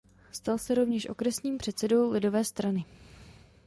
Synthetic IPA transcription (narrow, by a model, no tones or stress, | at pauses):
st̪alsɛɾo̞vɲɛʃʔo̞̰kɾɛsɲiːmpr̝̥ɛt̪sɛdo̞wlɪdo̞vɛːst̪ɾanɪ